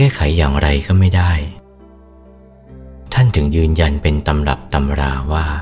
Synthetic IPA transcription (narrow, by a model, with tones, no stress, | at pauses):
kɛː˥˩kʰa˩˦jːaː˨˩ŋɾa˧jkʰɔː˥˩ma˥˩jda˥˩j | t̪ʰa˥˩nt̪ʰɯ˩˦ŋjɯː˧nja˧npe˧nt̪a˧mla̰˨˩p̚t̪a˧mɾaː˧waː˥˩